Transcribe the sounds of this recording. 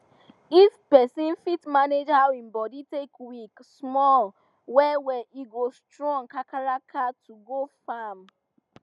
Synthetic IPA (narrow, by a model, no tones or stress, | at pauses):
it͡ʃpɛsĩnfitmaned͡ʒhawĩmbɔditekwiksmɔl | wɛwɛʔiɡostɹɔ̃ŋkakaɹakʰatʰuɡofam